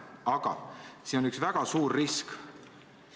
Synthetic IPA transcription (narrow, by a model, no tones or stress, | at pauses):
ɑɡ̥ɑ̰siːnonyksvæɡ̥ɑsuːrːisk